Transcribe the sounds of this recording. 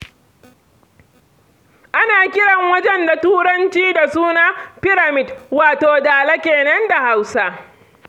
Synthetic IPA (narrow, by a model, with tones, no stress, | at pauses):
ʔa˦naː˨kʲɪ˦ɽɐ˨ŋwɐ˦d͡ʒɛ˦nda˨tuː˦ɽɐ˦nt͡ʃiː˦da˨suː˦na˦pɪ˦ɽa˨mɪ˨dwaː˨toː˨daː˨la˦kʲeː˨nɐ˦nda˨ha˦wsa˦ʔ